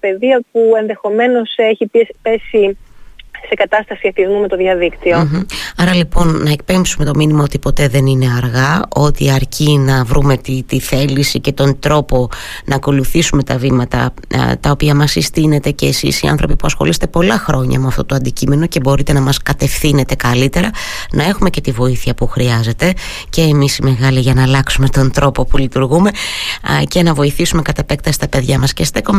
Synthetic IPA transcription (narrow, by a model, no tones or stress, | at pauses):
pe̞ðiɐpue̞nðe̞xo̞me̞no̞seçipe̞si | se̞kɐt̪ɐst̪ɐsiɐθizmume̞t̪o̞ðjɐðikt̪ioɐɾɐlipo̞nːɐek̚pe̞mpsume̞t̪o̞minimɐot̪ipo̞t̪e̞ðe̞nine̞ɐɾɣɐʔo̞t̪iɐɾcinɐvɾume̞t̪it̪iθe̞lisice̞t̪o̞nd̪ɾo̞po̞ | nɐːko̞luθisume̞t̪ɐvimɐt̪ɐ̰ | t̪ɐo̞piɐmɐsist̪ine̞t̪e̞ce̞ːsḭsiɐ̰nθɾo̞pipuɐsxo̞lise̥t̪e̞po̞lɐxɾo̞ɲɐ̰muɐft̪o̞t̪oɐnd̪icime̞no̞ce̞bo̞ɾit̪e̞nɐmɐskɐt̪e̞fθine̞t̪e̞kɐlit̪e̞ɾɐ | nʔɐe̞xume̞ce̞t̪ivo̞iθiɐpuxɾiɐze̞t̪e̞ | ce̞ːmisime̞ɣɐliʝɐnɐːlɐksume̞t̪o̞nd̪ɾo̞po̞pulit̪uɾɣume̞ | ce̞nɐvo̞iθisume̞kɐt̪ɐpe̞k̚t̪ɐst̪ɐpe̞ðʝɐmɐsce̞st̪ekome